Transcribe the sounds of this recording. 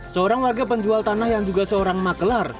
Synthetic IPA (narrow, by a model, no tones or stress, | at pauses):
səoɾaŋwarɡapəɲd͡ʒualt̪anahjaŋd͡ʒuɡasəoɾaŋmakəlar